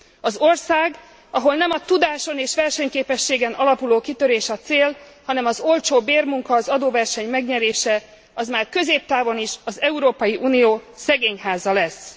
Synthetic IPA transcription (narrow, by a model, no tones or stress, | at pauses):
ɒzo̞rsaːɡ | ɒɦo̞lnɛmɒt̪ud̪aːʃo̞neːʃʋɛrʃɛɲkeːpɛʃːeːɡɛnɒlɒpuloːkit̪ø̞ɾeːʃɒt̪seːlhɒnɛmɒzo̞lt͡ʃoːbeːrmuŋkɒːzɒd̪oːvɛrʃɛɲmɛɡɲɛɾeːʃɛ | ɒzmaːrkø̞zeːp̚t̪aːvoniʃɒzɛuɾoːpɒjiʔuːnijoːsɛɡeːɲɦaːzɒlɛs